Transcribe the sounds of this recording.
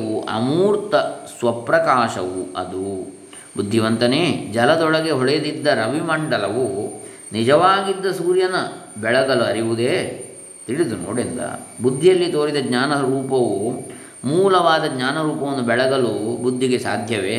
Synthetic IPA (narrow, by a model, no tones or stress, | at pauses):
ʋuʔɐ̰muːɾt̪ɐsʋɐpɾɐkaːʃɐʋuɐ̰d̪u | bud̪ʱːiʋɐnt̪ɐned͡ʒɐlɐd̪ɔɭɐɡeɦɔɭejd̪id̪ːɐɾɐʋimɐɳɖɐlɐʋu | nid͡ʒɐʋaːɡid̪ːɐsuːɾjɐnɐbɛɭɐɡɐluɐɾiʋud̪eː | t̪iɭid̪uno̰ːɽind̪ɐ̰bud̪ʱːijɐlːit̪oːɾid̪ɐɡɲaːnɐɾuːpɐʋu | muːlɐʋaːd̪ɐɡɲaːnɐɾuːpɐʋɐnːubɛɭɐɡɐlubud̪ʱːiɡe̞sa̰ːd̪ʱjɐʋe